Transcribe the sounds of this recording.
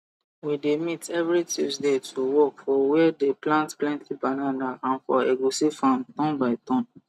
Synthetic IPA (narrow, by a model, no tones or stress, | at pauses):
widemitɛvɹitʰusdetʰuwɔkfɔwɛdeplãntplɛ̃ntʰibananaʔãnfɔeɡosifãmtɔ̃nbaɪtɔ̃n